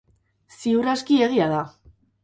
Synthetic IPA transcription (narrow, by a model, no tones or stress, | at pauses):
siuɾaskie̞ɣ̞iaða